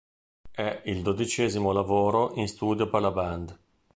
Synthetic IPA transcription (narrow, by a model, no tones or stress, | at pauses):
ɛild̪od̪it͡ʃɛːzimolavoːɾoʔinst̪uːd̪joperlaband̪